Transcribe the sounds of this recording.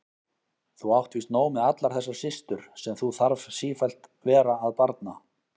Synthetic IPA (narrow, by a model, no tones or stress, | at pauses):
θuawht̪viːst̪noːwmɪðat̪laɾ̥θɛsːḁsɪst̪ʏɾ̥sɛmθuθaɾvsiːfajl̥t̪vɛːɾaːðpaɾt̪na